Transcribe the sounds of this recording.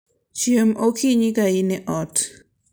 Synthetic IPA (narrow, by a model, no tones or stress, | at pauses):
t͡ʃiəmʔokʰiɲikaineʔot